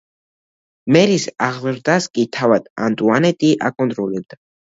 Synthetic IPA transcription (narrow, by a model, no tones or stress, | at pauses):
mɛɾisaʁlˠɾd̪askʼit̪ʰavad̪̥a̰nt̪ʼuanɛt̪ʼiʔa̰kʼɔnt̪ʼɾɔlɛb̚d̪̥a